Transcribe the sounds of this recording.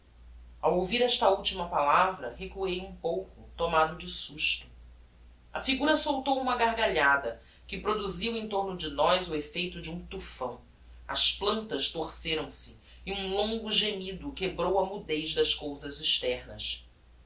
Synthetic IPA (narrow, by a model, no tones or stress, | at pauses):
awowviɾɛʃt̪ɐuwt͡ʃimɐpalavɾɐɦekuejũpowkʊt̪omad̪ʊd͡ʒɪsuʃt̪ʊ̥ | ɐ̰fiɡuɾɐsowt̪owũmɐɡaɾɡaʎad̪ɐ | kɪpɾod̪uziwẽt̪oɾnʊd͡ʒɪnɔjzʊefejt̪ʊd͡ʒɪũt̪ufɐ̰̃w̃ | ɐ̰splɐ̃nt̪ɐʃt̪oɾseɾɐ̃w̃sɪ̥ | ũlõŋɡʊʒemid̪ʊkebɾowɐmud̪ejzd̪ɐʃkowzɐziʃt̪ɛɾnɐ̰s